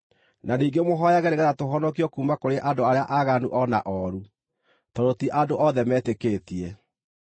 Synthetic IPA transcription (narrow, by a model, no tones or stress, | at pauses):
naniːŋɡemoɦɔjaɣɛɾeɣɛɾatoɦɔnɔkiɔkuːmakoɾeʔadoaɾeaʔaɣanuʔɔna̰ʔɔɾu | tɔɾotiʔadoʔɔðɛmɛːtekeːtiɛ